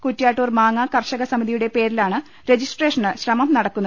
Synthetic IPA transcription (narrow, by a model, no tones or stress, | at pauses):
kutːjaːʈːoːrmaːŋːakɐrɕɐɣɐsɐmiðijuɽe̞pe̞ːɾilaːɳɨ | ɾe̞d͡ʑisʈre̞ːʂɐɳɨɕrɐmɐmnɐɽɐkːunːɐ